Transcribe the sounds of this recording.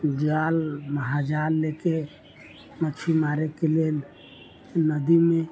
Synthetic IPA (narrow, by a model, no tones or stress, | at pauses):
d͡ʒalməɦad͡ʒalːeke | mət͡ʃʰimaɾekelel | nəd̪ime